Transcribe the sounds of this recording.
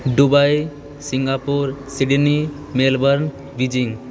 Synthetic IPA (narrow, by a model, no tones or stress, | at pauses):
ɖubaj | siŋɡapuɾsiɖni | melbəɾn | bid͡ʒiŋ